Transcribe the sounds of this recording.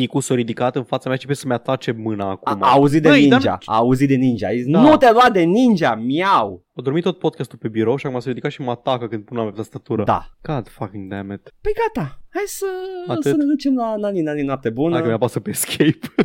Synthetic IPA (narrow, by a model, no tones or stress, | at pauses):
ikusoɾid̪ikat̪ɨnfat̪sameat͡ʃepessəmeat̪at͡ʃe̞mɨnaːkaumaaːuzit̪̚d̪enid͡ʒa̰a̰ːuzit̪̚d̪enind͡ʒa̰nut̪aluat̪̚d̪e̞nind͡ʒamjaw | od̪o̞ɾmit̪ːo̞t̪̚po̞d̪kast̪ulpe̞biɾowʃiakumasoɾid̪ikat̪ʃimat̪akəkɨnd̪punoampeapt̪ast̪at̪uɾəd̪a̰ɡad̪fakĩŋd̪æmɛt̪pəjɡat̪ahajsəaɨsənad̪ut͡ʃemlananinaninwap̚t̪e̞bund̪akəmeapasəpeskʰʲejp